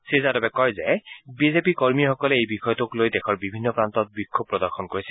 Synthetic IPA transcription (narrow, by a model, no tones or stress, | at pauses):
sizadabɛkɔjzɛbizepikɔɹmixɔkɔlɛejbixɔjɔtʊklojdɛkʰɔɹbibʱinːɔpɹantɔt̚bikʰːob̚ːɹɔdɔɹxʰɔnkoɹisɛ